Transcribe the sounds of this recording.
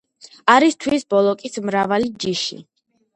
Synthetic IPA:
aɾist̪ʰwisbɔlˠɔkʼismɾavalid͡ʒiʃḭ

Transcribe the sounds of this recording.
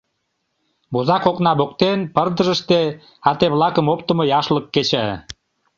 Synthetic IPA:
bozɑkoknɑbokt̪enpərd̪əʒəʃt̪e | ɑt̪eβlɑkəmop̚t̪əmojɑʃləkːet͡ɕæ

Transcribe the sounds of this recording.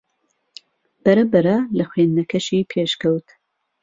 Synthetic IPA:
b̥ɐɾɐbɐɾɐlɐxweːnnɐkʰɐʃiːpʰeːʃkɐwt̪

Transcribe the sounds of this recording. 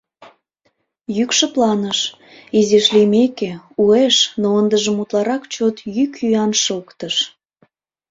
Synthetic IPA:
jykʃəplɑnəʃ | izeʃlimekeueʃnoənd̪əʒə̆mut̪lɑɾɑkt͡ɕot̪jykyɑnʃəlkt̪əʃ

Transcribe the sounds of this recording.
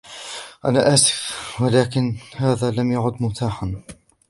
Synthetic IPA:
ʔanaːʔaːsɪ̥fwalaːkɪnhaːðaːlamjaʕʊd̪mʊt̪aːħan

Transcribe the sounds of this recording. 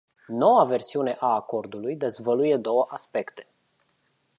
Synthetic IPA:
no̞wave̞rsiune̞ʔaːko̞rd̪ulujd̪e̞zvəluje̞d̪o̞wəʔaspe̞kt̪e̞̥

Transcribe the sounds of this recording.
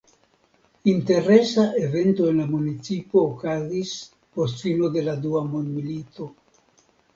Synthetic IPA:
int̪e̞ɾesaʔevent̪oenlamunit͡sipoːkazis | post̪filod̪e̞lad̪uamond̪milit̪o

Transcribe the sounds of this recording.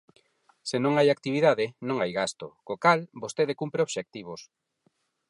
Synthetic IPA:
senõŋajak̚t̪iβiðaðɪnõŋajɣast̪okokalbost̪eðekumpɾeoβʃek̚t̪iβ̞os

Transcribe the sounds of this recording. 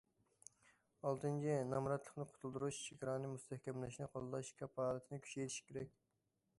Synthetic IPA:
ɑlˠt̪ʰɨnt͡ʃʰinɑmɾɑt̪lˠəχnɨqʰʊ̥t̪ʰulˠd̪uɾuʃt͡ʃʰiɡʲɾɑːnɨmust̪ɛhkʲʰɛmlɛʃnɨqʰɑlˠɨlˠɑʃkʲʰɛphɑːlˠɨt̪ʰɨnɪkʲʰy̥t͡ʃɛjt̪ʰi̥ʃkʲʰeɾɛkʲ

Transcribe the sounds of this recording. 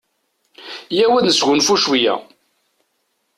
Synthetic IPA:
jæwæðəsʝʊnfuʃwijæ̰

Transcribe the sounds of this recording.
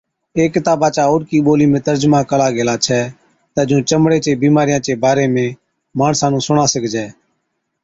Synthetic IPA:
eːkːɪt̪aːbaːt͡ʃaːoːɾkiːɓoːliːmẽːt̪əɾd͡ʒmãːkəlaːɡeːlaːt͡ʃʰɛː | t̪ɛːd͡ʒũːt͡ʃəmɽeːt͡ʃeːbiːmaːɾɪjãːt͡ʃeːbaːɾeːmẽː | maːɳsãːnũːsʊɳãːsəkʰd͡ʒɛː

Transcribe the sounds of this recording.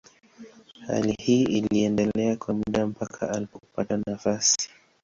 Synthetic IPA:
ha̰lihiːʔiliɛndɛlɛakwamuɗam̩pakʰa̰alipɔkupatanafasi̥

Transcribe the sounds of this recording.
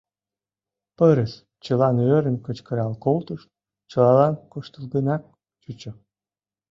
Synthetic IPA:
pəɾəs | t͡ɕəlɑnøɾə̆nkət͡ɕkəɾɑlkolt̪əʃt̪ | t͡ɕəlɑlɑnkoʃt̪əlɡənɑk̚ | t͡ɕut͡ɕə̆

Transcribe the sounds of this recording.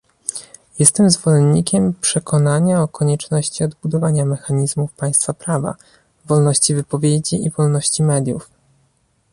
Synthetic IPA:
jɛst̪ɛmzvɔlɛnːikʲɛmpʂɛkʰɔnaɲaɔkɔɲɛt͡ʂnɔɕt͡ɕiɔd̪bud̪ɔvaɲamɛxaɲizmufpaj̃st̪fapɾava̰ | vɔlnɔɕt͡ɕivɘpɔvʲjed͡ʑiivɔlnɔɕt͡ɕimɛd̪ʲjṵf

